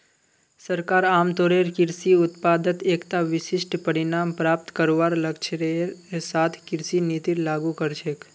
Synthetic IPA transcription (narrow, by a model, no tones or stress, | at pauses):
səɾkaɾamt̪oɾeɾkɪɾsiʊt̪pad̪ət̪ekt̪aʋɪʃɪʃʈpəɾinampɾap̚t̪kəɾoʋaɾləkʃʰɾesat̪ʰkɪɾsinit̪iɾlaɡũkəɾʃek